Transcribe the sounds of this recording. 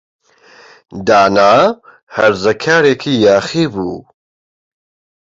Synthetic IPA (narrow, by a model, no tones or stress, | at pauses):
d̪aːnaː | hɐɾzɐkʰaːɾeːkʰiːjaːχiːbuː